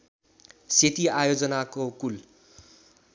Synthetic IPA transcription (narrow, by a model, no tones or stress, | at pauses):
set̪iajod͡zʌnakokul